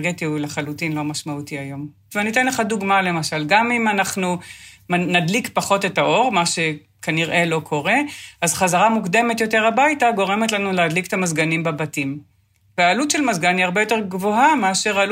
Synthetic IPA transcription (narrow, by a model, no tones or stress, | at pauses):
ɡetiuleχalutinlo̞maʃmautiajo̞m | veanit̪̬enleχaduɡmale̞maʃalɡamimanaχnumnadlikpaχo̞te̞taʔo̞ʁmaʃe̞ | kʰaniʁʔe̞lo̞kʰo̞ʁe̞azχazaʁamukd̪e̞me̞tjo̞te̞ʁabajtaɡo̞ʁe̞met̪lanuleadliket̪amazɡanimbabatim | veaːlutʃe̞lmazɡaniaʁbejo̞te̞ʁɡvo̞ɦameaʃe̞ʁal